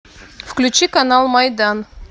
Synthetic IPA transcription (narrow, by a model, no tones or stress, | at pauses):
fklʲʉt͡ɕikɐnalˠmɐjd̪ɑn